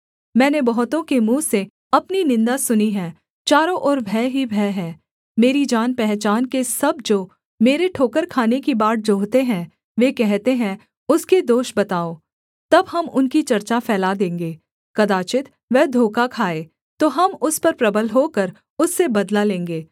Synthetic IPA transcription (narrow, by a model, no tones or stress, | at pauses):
mɛ̃ːnebɐɦʊt̪õkemũːse | ɐpninɪ̃nd̪asʊniɦɛ̃ː | t͡ʃaːɾõʔɔːɾbʱɛːɦibʱɛːɦɛ̃ː | meːɾid͡ʒaːnpɛɦt͡ʃaːnkesɐb̚d͡ʒoː | meːɾeʈʰoːkəɾkʰaːnekibaːʈ̚d͡ʒoːɦt̪eɦɛ̃ | ʋekɛɦt̪eɦɛ̃ | ʊsked̪oːʃbɐt̪aːo | t̪ɐbɦɐmʊnkit͡ʃɐɾt͡ʃafɛːlad̪ẽːŋɡeː | kɐd̪aːt͡ʃɪt̪ | ʋɛɦd̪ʱoːkakʰaːe | t̪oːɦɐmʊspɐɾpɾɐbəlɦoːkɐɾ | ʊsːebɐd̪lalẽːŋɡeː